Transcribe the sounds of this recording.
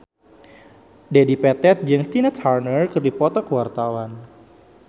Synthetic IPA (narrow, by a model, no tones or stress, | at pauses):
dedipɛt̪ɛt̪̚d͡ʒɨŋst̪inat̪harnərkɨrdipɔt̪ɔkəwart̪awan